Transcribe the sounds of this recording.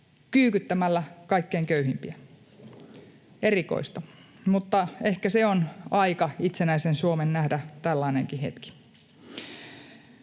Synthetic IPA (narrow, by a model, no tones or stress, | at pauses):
kyːkyt̪ːæmælːækɑikːeːŋkøyhimpiæ | eriko̰ist̪ɑ | mut̪ːɑehkæseonɑikɑit̪senæisensuomennæhdæt̪ælːɑineŋkihḛt̪ki̥